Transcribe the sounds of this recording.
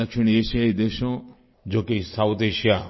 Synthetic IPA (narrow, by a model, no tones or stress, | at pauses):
ɐkʃiɳ̃eːʃjaid̪eʃõ | d͡ʒoːkesawt̪eːʃija